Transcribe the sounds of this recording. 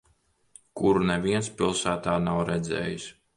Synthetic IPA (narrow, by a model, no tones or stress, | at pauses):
kuɾuneviɛnspilˠsæːt̪aːnawɾɛd̪zɛ̰ːjis